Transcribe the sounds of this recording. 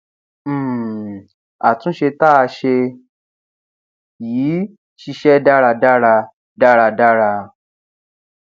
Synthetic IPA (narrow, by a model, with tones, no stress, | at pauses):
a˨tũ˨˦ʃe˧ta˦a˧ʃe˧ | jiː˨˦ | ʃi˧ʃɛ˦da˦ɾa˧da˦ɾa˧ | da˦ɾa˧da˦ɾa˧